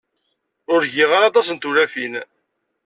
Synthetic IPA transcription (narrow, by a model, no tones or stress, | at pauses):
ʊɾʝiʁaɾɑt̪̬ˤɑsənt̪uɾæfin